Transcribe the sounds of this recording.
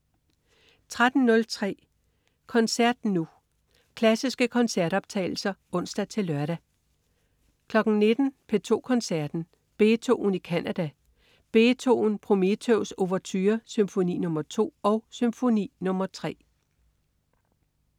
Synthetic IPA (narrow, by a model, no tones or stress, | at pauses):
t͡sʰʁad̥n̩nːɔ̽lt͡sʰʁɛ̰ː | kʰɒ̽nsæɐ̰d̥nu | kʰlæsisɡ̥əkʰɒ̽nsæɐ̰ɾ̥ɒ̽b̥̚t͡sʰɛ̰ɪl̩sɐɔ̽n̰sd̥æt͡sʰe̝lɶɐɾ̥æ | kʰlɒ̽ɡ̥n̩ne̝d̥n̩pʰe̝t͡sʰo̝̰ːkʰɒ̽nsæɐ̰d̥n̩ | b̥e̝ːt͡sʰo̝ːn̩ikʰænʔæd̥æ | b̥e̝ːt͡sʰo̝̰ːn̩pʰʁo̝met͡sʰøʊso̝ʋɐt͡sʰyːɐsymfo̝nḭːnɔ̽mɐt͡sʰo̝̰ːɒ̽ʊsymfo̝nḭːnɔ̽mɐt͡sʰʁɛ̰ː